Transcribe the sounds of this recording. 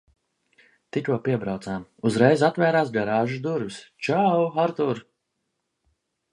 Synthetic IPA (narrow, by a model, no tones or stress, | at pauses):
t̪ikʲuɔpiɛbɾawt̪saːmuzɾɛjzat̪væːɾaːs̬ɡaɾaːʒud̪uɾvʲist͡ʃawaɾt̪uɾ